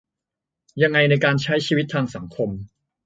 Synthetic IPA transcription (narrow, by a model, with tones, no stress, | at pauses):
ja˧ŋːa˧jna˧jkaː˧nt͡ɕʰa˦˥jt͡ɕʰiː˧wi˦˥t̪ʰːaː˧ŋsa˩˦ŋkʰo˧m